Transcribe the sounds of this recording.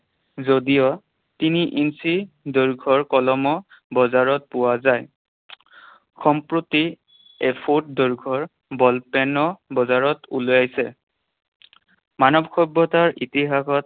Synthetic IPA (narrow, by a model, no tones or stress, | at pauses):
zodijɔ | tiniʔinsi | doɹɡʱɔɹkɔlɔmɔ | bɔzaɹɔt̚pʊwazaj | xʰɔmpɹoti | ɛpʰut̚doɹɡʱɔɹ | bɔlpɛnɔbɔzaɹɔtulojajsɛ | manɔbkʰɔbːɔtaɹʔitiɦakʰɔt̚